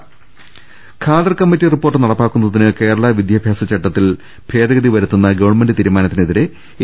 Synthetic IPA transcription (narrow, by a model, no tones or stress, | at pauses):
kʰaːd̪ɐrkɐmːitːiripːo̞ːrʈːɨnɐɽɐpːaːkːunːɐðinɨke̞ːɾɐɭɐʋid̪ʱjabʱjaːsɐt͡ɕɐʈːɐt̪ːil | b̥ʱe̞ːd̪ɐɣɐðiʋɐɾut̪ːunːɐɡɐʋɐɳme̞ndɨt̪iːɾumaːnɐt̪ːineðiɾe